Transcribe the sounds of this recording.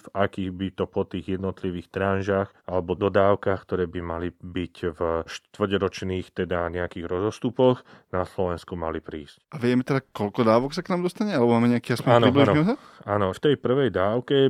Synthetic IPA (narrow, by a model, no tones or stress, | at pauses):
vakiːɣbit̪ɔpɔt̪iːɣjɛd̪nɔt̪liʋiːxt̪ɾanʒaxʔalɛbɔd̪ɔd̪aːʊkaxkt̪ɔɾɛːbimalibicvʃt̪t̪ʋr̩ɟɾɔt͡ʃniːxt̪ɛd̪aɲɛakiːɣɾɔzɔst̪upɔxnaslɔʋɛnskumalipɾiːscʔaʋɪɛmɛt̪ɛd̪akɔlkɔd̪aːʋɔksaknaːmd̪ɔst̪aɲɛalɛbɔmaːmɛɲɛakiaspaːnp̪ibliiʒnnisa | anɔft̪ɛjpr̩ʋɛjd̪aːʊkɛ